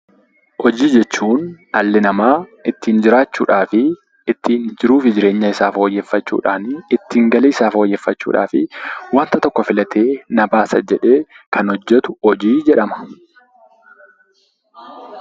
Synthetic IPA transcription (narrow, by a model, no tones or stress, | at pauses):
hɔd͡ʒiːd͡ʒɛt͡ʃːuːn | ɐlːɪnɐmaːɪt̪ːiːnd͡ʒɪɾaːt͡ʃːṵːᶑaːfɪː | t̪ːiːnd͡ʒɪɾuːfɪd͡ʒɪɾe̞ːɲːɐɪsaːfoːjːeːfːɐt͡ʃːṵːᶑaːnɪt̪ːiːŋɡɐliːsaːfoːjːeːfːɐt͡ʃːṵːᶑa̰ːfɪwɐnt̪ɐt̪ɔkːɔfɪlɐt̪ʰe̞ːnɐbaːsɐ̰d͡ʒɛᶑe̞ːkʰɐnɔd͡ʒːɛt̪ʊhɔd͡ʒiːd͡ʒɛᶑɐmɐ̥